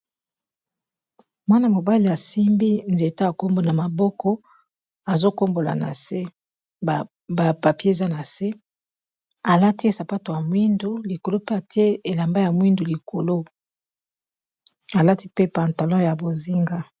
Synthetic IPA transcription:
mwa˦na˨mo˨ba˦li˨a˨si˦mbi˦nze˨ta˦a˨ko˦mbo˨na˨ma˨bɔ˦kɔ˦ | a˨zo˦ko˦mbo˨la̰˨na̰˨se˦˨ | ba˨pa˨pe˦e˨za˦na˨se˦ | a˨la˦ti˦e˦sa˨pa˦to˨ja˨mwi˦ndu˨li˨ko˨lo˦pe˦a˨ti˦e˦e˨la˨mba˦ja˨mwi˦ndu˨li˨ko˨lo˦ | a˨la˦ti˦pe˦pa˨nta˨lɔ̃˦ja˨bo˨zi˦ŋɡa˦

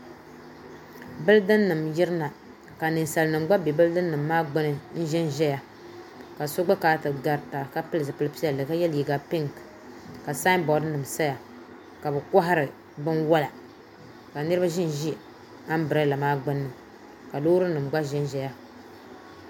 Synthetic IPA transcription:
bɨ˦ldɨ˦nːɨ˨mjɪ˦ɾɨ˦na˨ | ka˨nɨ˨n˨sa˨lnɨ˨mɡ͡ba˦be˨bɨ˦ldɨ˦nːɨ˨mːaː˦ɡ͡bɨ˦nɨ˦n̩˦ʒɛ˦nʒɛ˦ja˨ | ka˨so˦ɡ͡ba˦kaː˨˦tɨ˨ɡa˨ɾta˨ka˦pɨ˦lɨ˨s̬ɨ˨pɨ˦lɨ˦pi˦a˨lɨ˨ka˦jɛ˦lji˨ɡa˨pɪ˦ŋ˨k | ka˨sa˦nbɔ˨dnɨ˨msa˦ja˨ | ka˨bɨ˨ka˦ɦa˦ɾɨ˨ | bɨ˦nwa˦la˨ | ka˨nɨ˦ɾɨ˦ba˦ʒi˦n˨ʒi˦ | a˦m˦bɨ˨ɾa˦la˨maː˦ɡ͡bɨ˦nːɨ˨ | ka˨loː˦ɾɨ˦nɨ˨mɡ͡ba˦ʒɛ˦nʒɛ˦ja˦

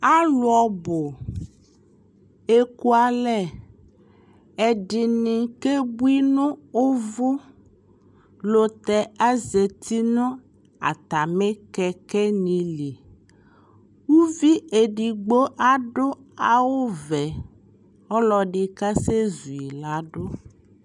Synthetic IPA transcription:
a˦lwɔ˨bo˨ | e˦ku˦a˨lɛ˦ | e˨ɖi˨nĩ˨ke˦bu˦i˦nũ˦o˦vo˦ | lo˨t̪ɛ˨a˦ze˨t̪ʰi˦nũ˦ | a̰˨t̪a˨me˦kɛ˨kɛ˦nĩ˨li˨ | wu˦vi˦e˨ɖi˨ɡ͡bo˦ʔa˦ɖo˦ | a˨wo˦vɛ˨ | ɔ˦lɔ˨ɖi˨ka˦se˦zu˨i˨la˨˦ɖo˦

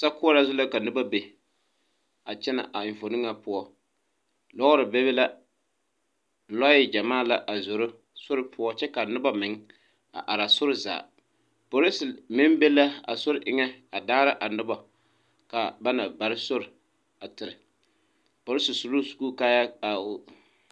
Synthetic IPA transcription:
sa˦kʊ˦ɔ˦la˦zʊ˦la˦ka˨nɪ˦ba˦be˨ | a˨t͡ʃɛ˦na̰˨ʔa˨ɪ˨ɱ˨fo˨nɨ˦ŋa˨pʊ˦ɔ˦ | lɔ˦ɣʊ˦ɾɨ˨be˦bɪ˦la˦ | lɔ˦jɪ˦d͡ʒa˨maː˦˨la˨ʔa˨zʊ˨ɾʊ˦ | sʊ˦ɾɪ˦pʰʊ˦ɔ˦t͡ʃɛ˦ka˨nɪ˦ba˦mɪ˨ŋ | a̰˨ʔa˨ɾa˨sʊ˦ɾɪ˦za̰ː˨ | po˨ɾɪ˦sɪ˨mɪ˦mbe˦la˦a̰˨sʊ˦ɾɪ˨ʔɪ˨ŋɛ˦a˨daː˦ɾa˦ʔa˨nɪ˦ba˨ | ka˨ba˦na˨ba˨ɾɪ˦so˦ɾɪ˨ | a˨tɪ˨ɾɪ˨ | po˨ɾɪ˦sʊ˨su˨lu˦sku˦ka˦ja˦a˨

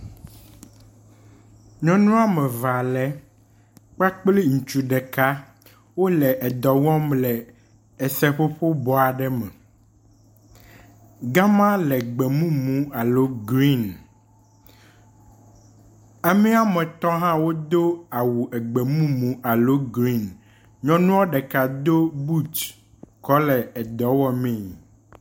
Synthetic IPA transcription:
ɲɔ̃˦nũ˦a˦mɛ̃˨va˨lɛ˦ | k͡pa˦k͡pli˦ŋũ˨t͡ʃu˦ɖɛ˨ka˦ | wo˦lɛ˨ʔɛ˨d̪ɔ˨wɔ̃˦mlɛ˨ | ɛ˨sɛ˦ɸo˦ɸo˦bɔ˨a˨ɖɛ˦mɛ˨ | ɡã˦mã˦lɛ˨ɡ͡bɛ˨mũ˦mũ˦a˨lo˦ɡɾi˦n | a˨mĩ˦a˦mɛ̃˨t̪ɔ˦ɦã˦wo˦d̪o˦a˨wu˨ʔɛ˨ɡ͡be˨mũ˦mũ˨ʔa˨lo˦ɡɾi˦˨n | ɲɔ̃˦nũ˦wɔ˦ɖɛ˨ka˨d̪o˦bu˦t͡ʃ | kɔ˦lɛ˨ɛ˨d̪ɔ˨wɔ˦mẽ˦˨ɲi˨

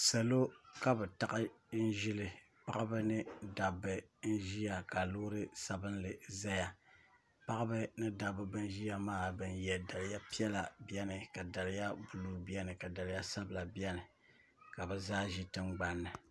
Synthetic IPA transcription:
sa˨lo˦ka˦bɛ˨ta˨ʔɨ˦ | n̩˦ʒi˦lɨ˨ | pa˦ʔa˦bɨ˦nɨ˦da˨bɨ˨n̩˦ʒi˦ja˨ka˨lʊː˦ɾɨ˦sa˨bɨ˦n˦lɨ˨za˦ja˨ | pa˦ʔɨ˦bɨ˦nɨ˦da˨bɨ˨bɨ˦n˦ʒi˦ja˨maː˦bɨ˨njɛ˨da˨lɪ˨ja˦pi˦ɛ˦la˨bi˦ɛ˦nɨ˨ka˨da˨lɪ˨˦ja˦bu˨lu˦bi˦ɛ˦nɨ˨ka˨da˨lɪ˦ja˦sa˦bɨ˨la˨bi˦ɛ˦nɨ˨ | ka˨bɛ˨zaː˦ʒi˦tɨ˦ŋ͡mɡ͡ba˦nːɨ˨

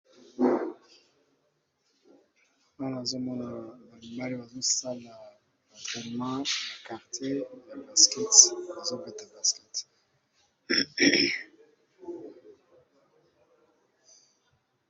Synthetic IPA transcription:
ma˦n˨a˨zo˦mɔ˦na˨ba˨li˨mba˦li˦ba˨zo˦sa˦la˨ | a˨tχɛ˨n˨mɑ̃˦ba˨ka˨ʁte˦ja˨ba˨skɛ˦tba˨zo˦vɛ˦˨ta˨ba˨skɛ˦t

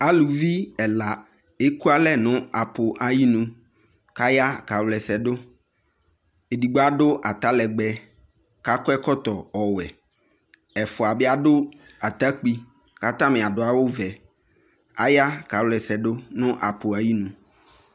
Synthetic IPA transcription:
a˦lu˨vi˦ɛ˨la˨ | e˦ku˦a˦lɛ˦nʊ̃˦a˨po˨ʔa˨ji˦nũ˨˦ | ka˦ja˦ka˨wlɛ˨sɛ˨ɖo˦ | e˨di˨ɡ͡bo˦a˦ɖʊ˦ʔa˨t̪a˦lɛ˨ɡ͡bɛ˨ | ka˦kɔ˦ɛ˦kɔ˦t̪ɔ˨ɔ˨wɛ˨ | ɛ˨fʊ˨a˨be˦a˦ɖʊ˦ | a˨t̪a˦k͡pi˦ | ka˦t̪ã˦mɛ̃˨a˨ɖʊ˦a˨wo˦vɛ˨ | a˦ja˦ka˨wlɛ˨sɛ˨ɖo˦nʊ̃˦ʔa˨po˨a˨ji˦nũ˨

